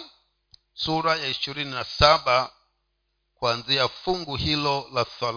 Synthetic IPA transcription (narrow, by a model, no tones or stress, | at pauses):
suɾajaiʃiɾininasaba | kwanziafuŋɡuhilɔlaθal